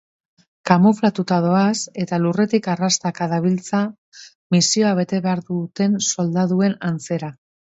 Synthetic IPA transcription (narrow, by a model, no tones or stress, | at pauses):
kamo̞flat̪ut̪aðo̞ase̞t̪alure̞t̪ikarast̪akaðaβ̞ilt͡sa | misio̞aβ̞e̞t̪e̞βe̞aɾðut̪e̞nso̞ld̪aðue̞nant͡se̞ɾa